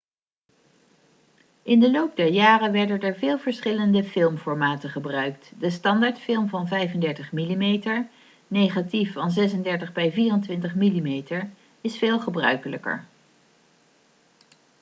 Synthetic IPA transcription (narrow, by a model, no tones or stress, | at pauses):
ɪndəlowp̚dɛɹjaːrənʋɛɹdənɛɹvɪːlˠvəɹsχɪləndəfɪlˠmfɔɹmaːtəχəbrœɥk̚tdəstɑndaɹtfɪlˠmvɑnvɛjvəndɛɹtəχmilimejtəɹ | nejχatifɑnzɛs̬əndɛɹtəχbɛjviːrəntʋɪntəχmilimejtəɹ | ɪsfɪːlˠχəbrœ̰ɥkələkə̰ɹ